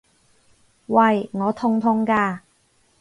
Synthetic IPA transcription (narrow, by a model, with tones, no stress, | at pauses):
wɐ˨jŋɔː˨˧t̪ʰʊ˧˥ŋt̪ʰʊ˧˥ŋkaː˧